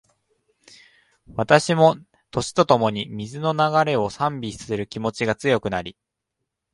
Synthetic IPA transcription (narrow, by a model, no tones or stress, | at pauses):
βat̪aɕimo̞ | t̪o̞ɕi̥t̪o̞t̪o̞mo̞ɲ̟imʲizɨno̞naɡaɾe̞o̞sãmbʲisɨ̥sɨɾɯ̟kʲimo̞t͡ɕiɡat͡sɨjo̞kɯ̟naɾʲi